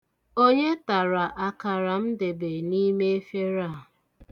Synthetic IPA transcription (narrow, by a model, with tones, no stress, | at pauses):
o˦ɲe˦ta˨ɾa˨ʔa˨ka˨ɾa˨n̩˦de˨be˨ni˦me˦e˦fje˦ɾa˦˨